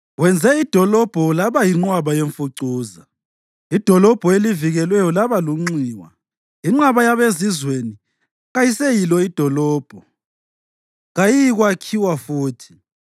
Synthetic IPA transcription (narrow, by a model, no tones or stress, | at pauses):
wɛnd͡zʱɛid̥ʱɔlɔb̥ʱɔlaβajiŋ͡ǃwaβajeɱfuǀuːza | id̥ʱɔlɔb̥ʱɔeliviɣɛlwɛjɔlaβaluŋ͡ǀiːwa̰ | iŋ͡ǁaβajaβezizweni | ɣajisejilɔid̥ʱɔlɔːb̥ʱɔ | ɣajijɣwakʰiwafuːtʰi̥